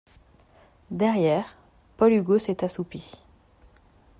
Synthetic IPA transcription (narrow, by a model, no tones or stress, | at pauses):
d̪ɛʁjɛːʁ | pɔlyɡosɛt̪asupi